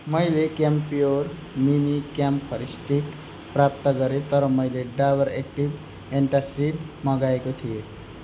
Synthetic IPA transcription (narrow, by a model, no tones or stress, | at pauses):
məjlekempioɾ | minikamppʰəɾisʈ̪ik | pɾap̚t̪əɡʌɾet̪ʌɾɔməjleɖaʋəɾek̚ʈib | eɳʈasiɖmãɡaekot̪ʰije